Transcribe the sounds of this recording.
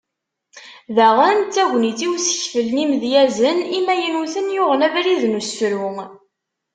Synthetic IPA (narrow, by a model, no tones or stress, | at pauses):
ðæʁənt͡s̪ːæʝʷnit͡siwsə̥çfəlnimðjæzənimæjənuθənjʊʁənævɾiðnusːɾum